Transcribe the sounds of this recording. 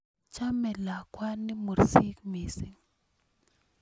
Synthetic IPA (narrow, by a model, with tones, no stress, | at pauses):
t͡ʃa˦mɛ˨la˨kwa˦ni˦mu˨ɾsi˦kmi˨si˨ŋ